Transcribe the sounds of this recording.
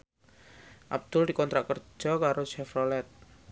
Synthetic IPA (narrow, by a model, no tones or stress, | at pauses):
ʔab̚d̪̥ʊldikɔnt̪ɾakərd͡ʒ̥ɔkaɾoʃɛfrɔlɛt̪̚